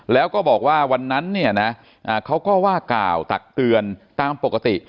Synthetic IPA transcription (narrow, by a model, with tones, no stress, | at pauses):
lɛː˦˥wkɔː˥˩bɔː˨˩k̚waː˥˩wa˧nːa˦˥nːi˥˩ɐna˦˥ | ʔaː˨˩kʰa˦˥wkɔː˥˩waː˥˩kla̰ː˨˩wt̪a̰˨˩k̚t̪ɯ˧ənt̪aː˧mpo˨˩kːa˧˥t̪i˨˩ʔ